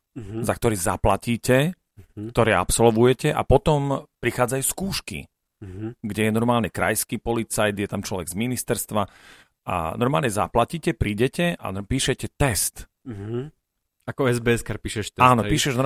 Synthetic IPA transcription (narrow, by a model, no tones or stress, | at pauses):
zak̚t̪ɔɾiːzaplaciːcɛ | k̚t̪ɔɾɛːa̰psɔlʋujɛcɛʔa̰pɔt̪ɔmpɾixaːd͡zajuːskuːʃkḭ | ɡɟɛjɛnɔɾmaːlɲɛkɾa̰jskiːpɔlit͡sajd̪jɛt̪amt͡ʃlɔʋɛɡzminist̪ɛɾst̪ʋa | ʔa̰nɔɾmaːlɲɛza̰placiːcɛpɾiːɟɛcɛʔa̰piːʃɛcɛt̪ɛst̪ | akɔɛzbɛɛskaɾpiːʃɛʃaːnɔpiːʃɛʒnɔ